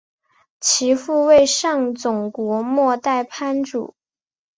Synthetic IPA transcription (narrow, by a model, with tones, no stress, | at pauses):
t͡ɕʰi˧˥fu˥˧we˥˧ɪʂɑ˥˩ŋt͡sʊ˨˩ŋkwɔ˧˥mwɔ˥˧t̪a˥˩ɪpʰa˥nʈ͡ʂṵ˨˩˦